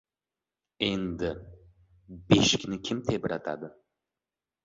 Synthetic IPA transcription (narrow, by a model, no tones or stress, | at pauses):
end̪ɪ | beʃkʲnɪkʲʰɪmt̪ʰebɪɾat̪ʰa̰d̪ɨ